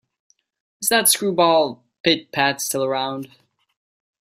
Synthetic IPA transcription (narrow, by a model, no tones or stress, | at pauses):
ʌzðətskɹubɔlˠ | pʰɪt̚pʰætstʰɪlˠə˞ãʊ̃nd̥